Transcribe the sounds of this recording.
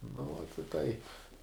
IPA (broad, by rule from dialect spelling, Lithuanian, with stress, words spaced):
nʊ ʋoːt ɪ ˈtɐɪp